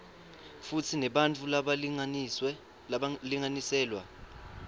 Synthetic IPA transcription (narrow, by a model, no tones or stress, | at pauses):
fut͡sʰinɛɓant͡fʰulaɓa | liŋanisɛːlwa